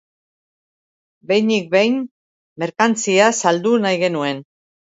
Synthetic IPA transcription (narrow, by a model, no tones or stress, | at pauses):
be̞jnik̚bejn | me̞ɾkant͡siasald̪unajɣe̞nue̞n